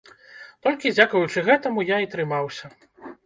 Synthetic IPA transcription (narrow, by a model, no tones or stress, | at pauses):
t̪ɔlʲkʲid͡zʲakvɐjut͡ʂɨɣɛt̪ɐmujait̪ɾɨmawsʲɐ